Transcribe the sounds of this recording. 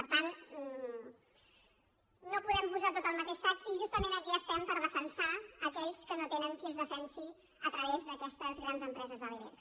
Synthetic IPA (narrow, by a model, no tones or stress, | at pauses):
pəɾt̪an | nopuðɛmpuzat̪ot̪əlˠmət̪eʃat̪iʒust̪əmenəkiəst̪ɛmpəɾðəfənsaəkɛʎskənot̪enəŋkiəzðəfɛnsi | ət̪ɾəβezðəkɛst̪əzɣɾanzəmpɾɛzəzðəliβɛ̰ɾ